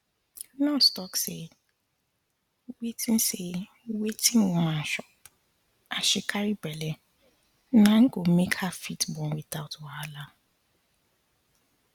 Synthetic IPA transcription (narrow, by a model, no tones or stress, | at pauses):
nãstɔkse | wetĩn̩se | wetʰĩnwmãnʃɔp | ʔaʃikʰaɾibɛlɛ | nãŋ̩ɡomekhafitbɔ̃nwiθaʊtwɔala